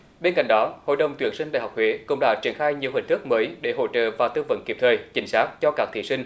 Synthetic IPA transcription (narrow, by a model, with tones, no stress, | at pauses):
ɓe˧nka̰˧˨ŋ̟ɗɔ˨˦ho̰˧˨jɗə˨˩wŋ͡mt̪wi˧˩ənsi˧ŋɗa̰ː˧˨˩ɦa˨˩wk͡p̚hwe˨˦kʊ̰˧˥ŋ͡mɗa̰ː˧˥t͡ɕi˧˩ənxaː˧jɲi˨˩əwhï˨˩ŋ̟t̪ɨ˦˥k̚məː˨˦jɗe˧˩ɦo̰˧˥t͡ɕə̰ː˧˨vaː˨˩wt̪ɨ˧və̰˧˥nki˨˩p̚t̪ʰəː˨˩jt͡ɕï˨˦ŋ̟saː˦˥k̚t͡ɕɔ˧kaː˦˥k̚t̪ʰi˧˨sï˧ŋ̟